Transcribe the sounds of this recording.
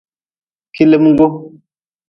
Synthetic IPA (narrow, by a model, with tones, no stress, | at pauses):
ki˦le˦mu˦ɡo˦